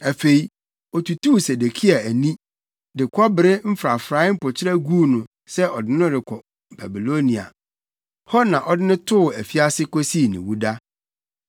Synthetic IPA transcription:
æ˨fe˨i˨ | ɔ˨tu˨tu˦se˨de˨kʰi˦a˨æ˨nĩ˦ | dɪ˨kʰɔ˦bɪ˨ɾɪ˦m̩˦fɾa˨fɾa˨˦m̩˦pʊ˨t͡ɕʰɪ˦ɾɛ˦ɡuː˦nʊ̃˨ | sɛ˦ʔɔ˨dɪ˦nʊ̃˦dɪ˨kʰɔ˨ | ba˨bi˨lo˦nĩ˨a̰˨ | hʰɔ˦nã˨ʔɔ˨dɪ˦nɪ̃˦tʰʊ˦ʊ˨æ˨fi˦a˦sɪ˦kɔ˦si˦˨nɪ̰̃˨wu˦da˦

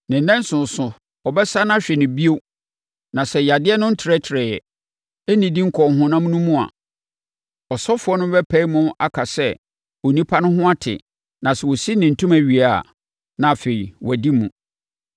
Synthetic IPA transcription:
nɪ̃˨n˦nɛ̃˦n˦sʊ̃˨n̩˨sʊ̃˨ | ɔ˨bɛ˦sa˦nã˦ɕᶣɛ˨nɪ̃˨bi˦o˦ | nã˨sɛ˨ja˨dɪ˦ɛ˦nʊ̃˦n̩˦tʰɪ˨ɾɛ˦tʰɾɛ˨jɛ˨ | e˦nĩ˨dĩ˦ŋ̩˦kʰɔ˨ŋ˨ɦʊ̃˦nã˦m̃˦nũ˦mũ˦a̰˨ | ɔ˨sɔ˦fʊ˨˦ɔ˦nʊ̃˦bɛ˦pʰæ˦i˦mʊ̃˦a̰˦kʰa˨sɛ˦ | o˨nĩ˦pʰa˦nʊ̃˦ɦʊ̃˦a˦tʰɪ̰˨ | nã˨sɛ˨wo˨si˦nɪ̃˨n̩˨tʰũ˦mæ˨ɥi˨a̰˦˨ | nã˨fe˨i˨wɔ˨di˦mũ˨

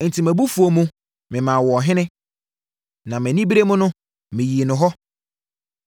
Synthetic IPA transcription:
n̩˨tʰi˨mæ̃˨bu˦fu˨o˨mũ˦ | mɪ̃˨mãː˨wɔ˨ɦɪ̃˦nɪ̃˦ | nã˨mɪ̃˨nĩ˦bi˦ɾe˦mʊ̃˦nʊ̃˦ | mɪ̃˨ji˨nʊ̃˨ɦɔ˦

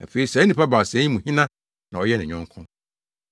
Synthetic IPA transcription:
æ̰˨fe˨i˨sɛ˨˦nĩ˨pa˦ba˨sɛ̃˦ĩ˦mũ˨hĩ˦nã˦ | nã˨ɔ˨jɛ˦nɪ̃˨ɲᶣʊ̃˦ŋ˦kʰʊ̃˦

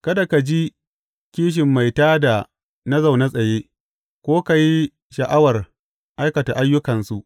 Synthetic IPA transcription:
kɐ˦da˨ka˨d͡ʒi˦ | kʲiː˦ʃ̬ɪ˨mːa˨jtaː˦da˨ | na˦za˨wna˦sʼɐ˨jeː˦ | kʷoː˦ka˨ji˦ | ʃɐ˨ʔa˦wɐ˨r | ʔa˦jkɐ˨ta˨ʔa˦jːʊ˦kɐ˨nsu˨ʔ

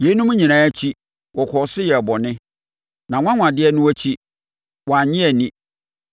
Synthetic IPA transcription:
je˨˦nũ˦m̃˦ɲĩ˨nãː˨˦æ˦t͡ɕʰi˦ | wɔ˨kʰɔ˨˦sʊ˦jɛ˨bɔ˨nɪ̃˦ | nã˨ŋʷ˦ã˦ŋʷ˨ã˨dɪ˦ɛ˦nʊ̃˦æ˦t͡ɕʰi˦ | wɔ˨a˨ɲɪ̃˦ɛ˨nĩ˦

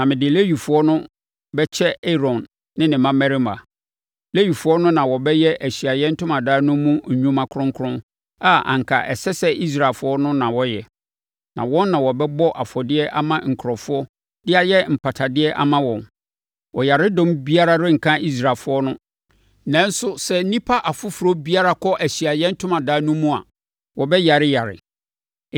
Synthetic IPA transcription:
nã˨mɪ̃˨dɪ˨le˦ɥi˨fʊ˦ɔ˦nʊ̃˦ | bɛ˦t͡ɕʰɛ˦ɛ˦ɾɔ̃˨nː | ɪ̃˦nɪ̃˨mã˦mɛ˦ɾi˦ma˨ | le˦ɥi˨fʊ˦ɔ˦nʊ̃˦nã˨wɔ˨bɛ˦jɛ˦ʔæ˨ɕi˨a˨jɛ˦n̩˦tʰʊ̃˦mã˨daː˦nʊ̃˦mũ˦ɲ̩˨ɲũ˦mã˨kʰʊ˦ɾʊ̃˦ŋ˦kʰɾʊ̃˦n | a˦˨ã̰˨ŋ̩˨kʰa̰˨ʔɛ˨sɛ˦sɛ˦i˦s̬ɾa˨fʊ˦ɔ˦nʊ̃˦nã˨wɔ˦jɛ˨ | nã̰˨wɔ̃˦nːã˨wɔ˨bɛ˦bɔ˦ʔa˨fɔ˨dɪ˦ɛ˦ʔa̰˦mã˦ŋ̩˨kʰɾɔ˨fʊ˦ɔ˦ | dɪ˦a˨jɛ˦m̩˨pʰa˨tʰa˨dɪ˦ɛ˦ʔa̰˦mã˦wɔ̃˨n | wɔ˨ja˨ɾɪ˦dɔ̃˦mbi˦a˦ɾa˦ɾɪ˦ŋ̩˨kʰã˦i˦s̬ɾa˨fʊ˦ɔ˦nʊ̃˦ | nã˦n̩˦sʊ˦sɛ˦n̩˦nĩ˦pʰa˦ʔa˨fʊ˦fʊ˨ɾo˦bi˦a˦ɾa˨kʰɔ˦ʔæ˨ɕi˨a˨jɛ̃˦n̩˦tʰʊ̃˦mã˨daː˨˦nũ˦mũ˦a̰˨ | wɔ˨bɛ˦ja˨ɾɪ˦ja˨ɾɪ̰˨

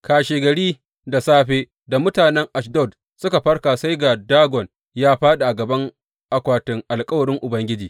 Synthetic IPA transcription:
kaː˨ʃeː˨ɡɐ˨ɽiː˦ | da˨saː˦ɸeː˦ | da˨mʊ˦taː˨nɛ˦ŋʔa˨ʃ̬dɔ˦˨d | sʊ˦ka˨ɸɐ˦rkaː˨sa˦jɡa˨daː˦ɡʷɔ˨n | jaː˦ɸaː˦ɗa˨ʔa˨ɡɐ˨bɐ˦ŋ | ʔa˨kʷaː˨tɪ˨ŋʔa˨lkʼɐ˦wɐ˨ɽɪ˦ŋʔʊ˨bɐ˦ŋɡʲɪ˦d͡ʒiː˨

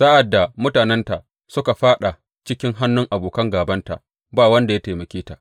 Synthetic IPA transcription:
saː˦ʔa˨dːa˨mʊ˦taː˨nɛ˦nta˨ | sʊ˦ka˨ɸaː˦ɗa˨ | t͡ʃɪ˦kʲɪ˦ŋɦa˦nːʊ˦ŋʔa˨boː˨kɐ˦ŋɡaː˨bɐ˦nta̰˨ʔ | baː˦wɐ˦nda˨ja˦teː˨mɐ˨kʲeː˦ta˨ʔ

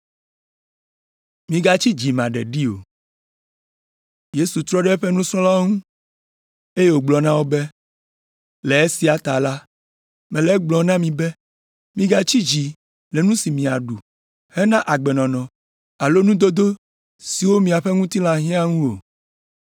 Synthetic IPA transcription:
mĩ˨ɡa˦t͡ɕi˦d͡ʒi˨mã˨ɖɛ̰˨ɖi˦o̰˨ | je˦su˨t̪ɾɔ˦ɖɛ˦ɸe˦nũ˦sɔ̃˦la˦ŋũ˦ | e˦je˦wo˨ɡ͡blɔ˨nã˦wo˦be˦ | lɛ˨e˦si˨˦a˨t̪a˨la˦ | mɛ̃˨lɛ˦ɡ͡blɔ˨nã˦mĩ˨bɛ˦ | mĩ˦ɡa˦t͡ɕi˦d͡ʒi˨ | le˨nũ˦si˨mĩ˨a˨ɖu˨ | hɛ˦nã˦ʔa˨ɡ͡bɛ˨nɔ̃˨nɔ̃˨ | a˨lo˦nũ˦d̪o˦d̪o˦ | si˨wo˦mĩ˨a˨ɸe˦ŋũ˦t̪i˦lã˨ɦĩ˦a˦ŋũ˦o̰˨

